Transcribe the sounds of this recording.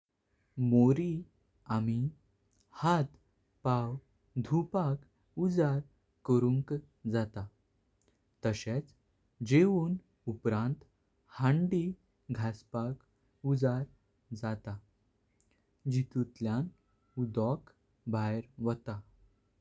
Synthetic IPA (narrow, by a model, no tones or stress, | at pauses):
moɾi | ami | hat̪ | paw | d̪ʱupak | ud͡zaɾ | kəɾuŋk | d͡zat̪a | t̪əɕet͡s | d͡ʑeʋuːn | upɾãnt̪ | hãɳɖi | ɡʱaspak | ud͡zaɾ | d͡zat̪a | d͡ʑit̪ut̪ljan | ud̪ɔk | bʱajɾʋət̪a